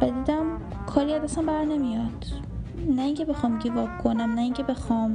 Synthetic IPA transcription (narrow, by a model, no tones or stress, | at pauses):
væd̪iːd̪æm | kʰɒːɾiæd̪æsæmbæɾnemijɒd̪̥ | næiŋcʰe̞be̞xɒːmɡivɒkʰonæmnæiŋcʰe̞be̞xɒm